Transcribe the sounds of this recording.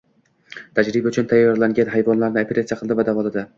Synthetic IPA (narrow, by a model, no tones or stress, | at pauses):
t̪ʰad͡ʒɾɪbʊt͡ʃʰʊnt̪ʰajːɒɾlaŋɡʲanɦajvɒnlaɾnɪapʰeɾat̪sijaqʰɨlˠd̪ɪvad̪avɒlˠad̪ɪ